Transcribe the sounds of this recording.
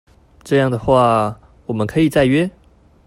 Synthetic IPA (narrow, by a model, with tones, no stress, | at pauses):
ʈ͡ʂɤ˥˧jɑ˥˩ŋd̪ə˩xwa˥˩ | wɔ˨˩mə˦kʰɤ˧˥i˨˩t͡sa˥˩ɪɥɛ˥